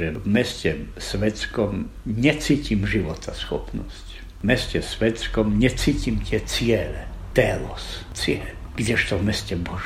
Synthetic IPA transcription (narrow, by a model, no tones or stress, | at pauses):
ɛvmɛscɛsʋɛt̪skɔmɲɛt͡siːcimʒiʋɔt̪ʰasxɔpnɔsc | mɛscɛsʋɛt̪skɔmɲɛt͡siːcimt̪ɪɛt͡sɪɛlɛt̪ɛlɔs | t͡sɪɛlɡ̥ɟɛʃt̪ɔvmɛscɛbɔʒ